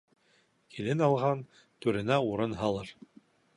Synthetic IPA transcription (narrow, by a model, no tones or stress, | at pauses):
kʰilɘnɑlˠʁɑn | t̪ʉɾɘ̆næuɾɤnɦɑlˠɤɾ